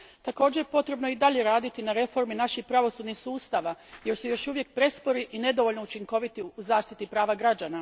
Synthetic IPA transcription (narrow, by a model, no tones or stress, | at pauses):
t̪ako̞ːd͡ʑejpo̞t̪ɾe̞bno̞id̪aʎe̞ɾaːd̪it̪inaɾe̞fo̞ɾminaʃiçpɾaʋo̞suːd̪nixsuːst̪aʋaje̞ɾsujo̞ʃuʋje̞k̚pɾe̞spo̞ɾiʔine̞d̪oʋo̞ʎno̞ut͡ʃiŋko̞ʋit̪iuzaːʃt̪it̪ipɾaːʋaɡɾad͡ʑana